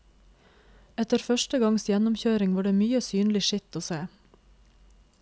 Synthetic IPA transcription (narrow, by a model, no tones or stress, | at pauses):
ɛt̪əɾfœʃtəɡɑŋsjɛnʊmçøːɾɪŋʋɑːɖeːmyːəsyːnlɪʃɪt̪oːseː